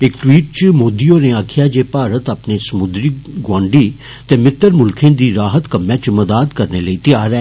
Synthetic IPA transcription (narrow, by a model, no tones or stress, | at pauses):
ɪkʈwiːʈ̚t͡ʃəmoːd̪ioːneaːkʰɪjaːd͡ʒeːpaːɾət̪əpnesɐmʊd̪ɾiɡwãːɳɖiː | t̪ẽːmɪt̪ːəɾmʊlkʰẽːd̪iːɾaːɦət̪kəmːjãːt͡ʃməd̪aːd̪kəɾneləit̪ɪjaːɾɛː